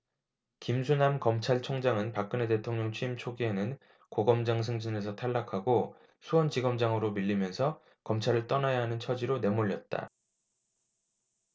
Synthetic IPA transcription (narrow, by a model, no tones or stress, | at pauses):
kimsʰunamkʌmt͡ɕʰaɭt͡ɕʰoŋd͡ʑaŋɯnpak̚k͈ɯne̞tetʰoŋɲʌŋt͡ɕʰɥiimt͡ɕʰoɡienɯn | koɡʌmd͡ʑaŋs̬ʰɯŋd͡ʑine̞s̬ʰʌtʰaɭːakʰaɡo | sʰuʌnd͡ʑiɡʌmd͡ʑaŋɯɾomiʎːimjʌnsʰʌ | kʌmt͡ɕʰaɾɯɭt͈ʌnajaɦanɯnt͡ɕʰʌd͡ʑiɾone̞moʎːʌt̚t͈a̰